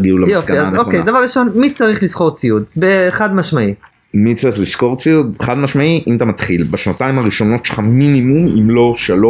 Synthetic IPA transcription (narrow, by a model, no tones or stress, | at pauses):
ɡiulamjiofɡaiazokejd̪avaʁiʃo̞nmit͡saʁiχlisko̞ʁt͡siud̪beχad̪maʃmai | mit͡saʁiχlisko̞ʁt͡siud̪χad̪maʃmaiʔimat̪amat̪χilbaʃnataimhaʁiʃo̞no̞tʃelχaminimumḭmlo̞ʃalo